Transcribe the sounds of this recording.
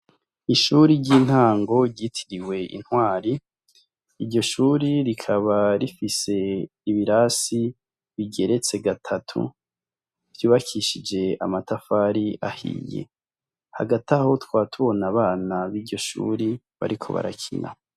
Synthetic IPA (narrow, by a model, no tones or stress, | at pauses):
iʃuɾiɟiːn̥haːŋɡo̞ɟitʰi̥ɾiwe̞ḭn̥hwaːɾi | iɾɟo̞ʃuːɾiɾikʰaβaɾifise̞ | iβiɾasi | βiɡe̞ɾe̞t͡se̞ɡatʰatʰṵ | vjuːβakʰiʃid͡ʒe̞amatafaɾiʔahḭjḛ | ha̰ɡataho̞twaːtʰuβo̞naβaːnaβiːɟo̞ʃṵːɾi | βa̰ɾikʰo̞̰βa̰ɾakʰḭnʔa̰